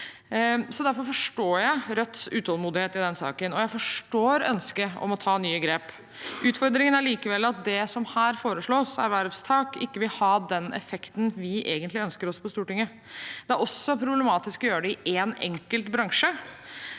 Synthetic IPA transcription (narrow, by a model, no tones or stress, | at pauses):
sɔd̪æɾfɔɾfɔʂʈoːjæɪɾœt̪ːsʉːt̪ʰɔlˠmuːd̪ɪheːt̪ɪd̪ɛnsɑ̰ːkənɔjæɪfɔʂʈoːɾœ̰nskəɔ̰mɔt̪ʰɑːnyːəɡɾeːp | ʔʉːt̪fɔɾd̪ɾɪŋənæɭiːkəʋɛlːɑt̪̚d̪ɛsɔmhæːɾfoːɾəʂɭoːsæ̰ɾʋæɾʋst̪ʰɑːkɪkːəʋɪlhɑːd̪ɛnɛ̰fɛkt̪n̩ʋɪʔeːɡənt̪lɪœnskəɾɔspʰɔst̪uːʈɪŋːə | d̪ɛæɾɔsːɔpʰɾʊblɛmɑːt̪ɪskɔjøːɾəɖɛɪʔeːnɛ̰ŋkəlt̪bɾɑŋʂə